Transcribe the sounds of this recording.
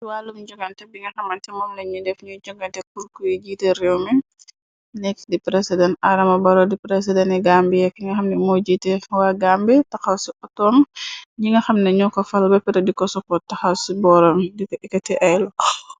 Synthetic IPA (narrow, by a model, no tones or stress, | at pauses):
swaːlumd͡ʒɔɡɐntɛbiŋɡɐxɐmɐntɛmɔmnɐɲudɛfɲuɟɔɡɐntɛkuɾkujiɟiːtɛɾɛwmɛ | nɛkdipɾɛsidɛntɐɾɐmɐbɐɾɔdipɾɛs̬idɛnɛɡambijɛkːiŋɡɐxɐmnɛmɔɟitɛwaɡambitɐxɐwsiʔɔtɔmɲiŋɡɐxɐmnɐɲɔkɔfɐlbɐpɛɾɐdikɔsɔpɔtɐxɐwsibɔːɾɐmdikɛkɐtɛʔajlɔ